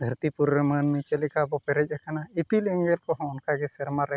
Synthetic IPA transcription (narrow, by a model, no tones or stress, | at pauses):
d̪ʱəɾt̪ipuɾɾəmənmɛt͡ʃəlikabɔpɛɾɛd͡ʒɛkanaipilɛŋɡɛlkɔɦɔ̃ʊnkaɡɛsɛɾmaɾɛ